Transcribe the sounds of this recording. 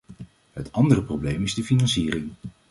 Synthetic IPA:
ɦətʰɑndərəprowblejmɪzdəfinɑnsiːrɪŋ

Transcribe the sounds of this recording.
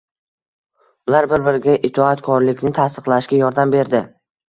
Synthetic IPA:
ʊlˠaɾbɪɾbɪɾɪɡʲaʔɪt̪ʰɒat̪kʰɒɾlɪkʲnɪt̪ʰast̪ɨ̥qlˠaɪʃkʲajɒɾd̪ambe̞ɾd̪ɪ

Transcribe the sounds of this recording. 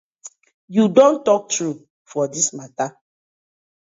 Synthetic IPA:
judõntɔk̚tɹu | fɔdismata

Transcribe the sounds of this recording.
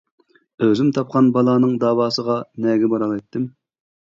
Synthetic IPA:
øzymt̪ʰɑp̚qʰɑnbɑlˠɑːnɨŋd̪ɑːwɑːsəʁɑnɛːɡʲɛbɑɾɑlˠɑjt̪ʰːɪm

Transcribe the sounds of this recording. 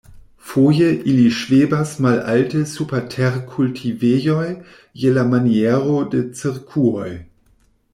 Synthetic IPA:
foːjəʔiliʃv̥eːbasmalʔa̰ltəsupɛtʰɛʁkʰultʰiveːjɔj | jelamanjɛːʁodet͡siʁkʰuɔj

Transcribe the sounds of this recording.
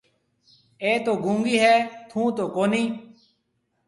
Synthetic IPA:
eːt̪oːɡũːŋɡiːɦɛːt̪ʰũːt̪oːkoːniː

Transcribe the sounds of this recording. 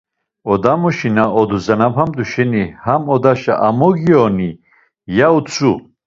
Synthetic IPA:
ɔd̪amɔʃinaɔd̪uzanabhamd̪uʃɛnihamɔd̪aʃa̰ʔamɔɡiɔni | jaut͡sʰʼu

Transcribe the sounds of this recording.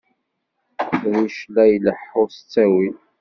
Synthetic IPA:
ðiʃlæjləħːʊst͡sːæwi

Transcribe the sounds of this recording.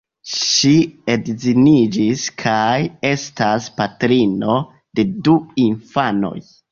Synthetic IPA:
ʃiedzinid͡ʒiskʰaje̞staspatɾino̞ | de̞duinfano̞̰j

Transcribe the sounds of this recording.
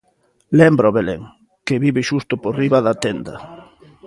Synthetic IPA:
lembɾaoβelḛŋ | keβiβɪʃust̪ʊporiβɐðat̪end̪ɐ̰

